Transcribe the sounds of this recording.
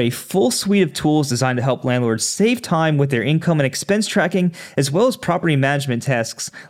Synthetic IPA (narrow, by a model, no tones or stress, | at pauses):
ɨfʊlˠswiɾʌv̥tʰulˠzdɨzãɪ̃ntɨɦɛlˠplæ̃ndˡlɔɹdz̥seɪv̥tʰãɪ̃mwɨðə˞ʔɪ̃nkʰʌ̃mɨ̃nɨkspɛ̃nstʰɹ̥ækɪ̃ŋɨzwɛlˠəz̥pʰɹ̥ɑpə˞ɾimænɨd͡ʒmɨ̃ntʰæsks